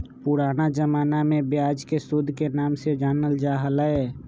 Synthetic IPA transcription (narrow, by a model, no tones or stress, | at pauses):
pʊɾaːnad͡ʒəmaːnamẽbjaːd͡ʒkesʊd̪ʱkenaːmsed͡ʒəːnəld͡ʒaːɦələe